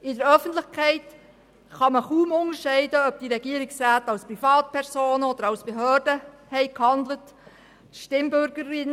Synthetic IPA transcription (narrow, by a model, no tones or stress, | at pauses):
ɪdəɾœfəntlɪχkʰɛɪt | χɑməχuːmʊnəɾʃɛɪdəœb̚d̥iɾɛɡ̥iəɾɪksɾæːtɑlspɾifɑːtpʰɛɾsoːnəɔd̥̪əɾɑʊsb̥eɦœːrdə | hɛɪkhɑndlət | ʃtɪmbʏɾɡəɾɪn